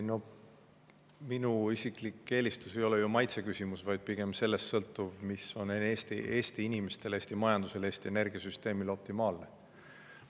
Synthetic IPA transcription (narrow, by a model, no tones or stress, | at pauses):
no̞ | minuisiklikːe̞ːlist̪use̞jo̞lejumɑjt̪se̞kysimusvɑjd̪̥̚piɡ̥e̞mse̞lːe̞st̪sɤ̞lt̪ːˑuvmiso̞neeːst̪ḭʔe̞ːst̪iinime̞st̪e̞leːsʲt̪imɑjɑnd̪̥use̞le̞ːst̪ie̞ne̞rɡ̥iɑsyst̪e̞ːmilo̞p̚t̪imɑːlne